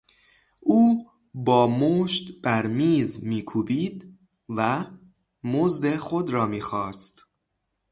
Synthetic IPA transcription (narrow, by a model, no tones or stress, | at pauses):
ʔuː | bɒːmoːʃt̪b̥æɾmiːzmiːkʰuːbiːd̪ | væ | mozd̪exod̪ɾɒːmiːxɒːst̪